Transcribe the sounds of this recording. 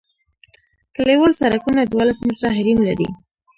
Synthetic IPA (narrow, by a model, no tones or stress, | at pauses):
kəlewəlsaɾakunad̪walasməʈaɦaɾimlaɾḭ